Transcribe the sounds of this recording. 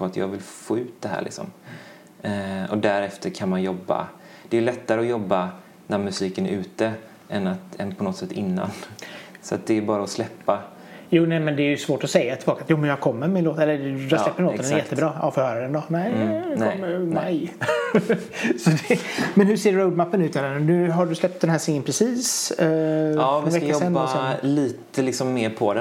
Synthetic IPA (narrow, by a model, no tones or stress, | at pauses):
at̪ʰjɑ̰ːɡvɪlfoːʉ̟ːt̪̚d̪ɛɦæ̰ːɾɭʔɪksɔ̰m | ɔd̪æɾɛft̪əɾkʰanmanjɔbːa̰ | d̪̥ɛːjlɛt̪ːaɾəɔjɔbːa | næɾmɵsiːkənæɾʔʉ̟ːt̪ə | ʔɛnːat̪ɛnpʰɔnɔt̪sɛt̪ːɪnːa̰nsɔat̪̚d̪ɛːbɑːɾaɔslɛpːa | juːnɛmɛnd̪ɛæːɾjɵsvoːʈɔsɛjːat̪ʰɪlbɑːkat̪juːmɛnjɑkʰɔmːəmɪnloːt̪ɛlːəɾjɑhasslɛpːənloːt̪ənɛjɛt̪ːəbɾɑːɑ̰ːfɔɾhœːɾad̪ɛnd̪ɔnɛɪɔmːmaj | sɔd̪ɛmɛnhɵʂseːɾːəʊd̪mapːənʉ̟t̪nɛɾɛnnʉ̟ːɦaɖɵslɛp̚t̪̚d̪ɛnɦæːsɪŋːənpʰɾɛsiːs | vɛkasɛnːɔsɛnliːt̪əlɪksɔmːeːɾpʰɔd̪ɛ